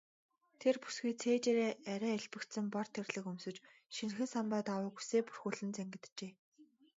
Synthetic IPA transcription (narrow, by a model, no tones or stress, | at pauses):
t̪ʰerpu̥sɡijt͡sʰeːt͡ɕeɾeːæɾʲæːiɮpɘ̆kt̪sɘ̆mpɔr̥t̪ʰːerɮɘ̆kɵmsɵ̆t͡ɕʃin̆xɘ̆nsampæːt̪awʊːɡu̥seːpu̥rxuːɮɘ̆nt͡sæŋɡɘ̆t̪t͡ɕeː